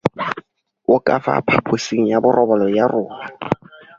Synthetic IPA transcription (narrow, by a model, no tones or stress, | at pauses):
ʊkʼafa̰pʰapʰosiŋ̩jabʊrʔɔbɔlɔjarʊːma